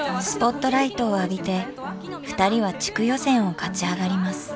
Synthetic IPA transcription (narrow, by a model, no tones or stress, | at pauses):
sɨ̥po̞t̪ːo̞ɾait̪o̞ːabʲit̪e̞ | ɸɯ̟̥t̪aɾʲiβat͡ɕi̥kɯ̟jo̞sẽ̞ɰ̃o̞kat͡ɕiaɡaɾʲimasɨ̥